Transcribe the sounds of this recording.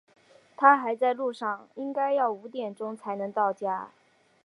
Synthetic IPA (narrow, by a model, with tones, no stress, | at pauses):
t̪ʰa˥xa˧˥ɪt͡sa˥˧ɪlu˥˧ʂɑ˥˩ŋi˥ŋka˥ɪjɑ˥˩ʊu˧˥t̪jɛ˨˩nʈ͡ʂʊ˥ŋt͡sʰa˧˥ɪnɤ˧˥ŋt̪ɑ˥˩ʊt͡ɕja˥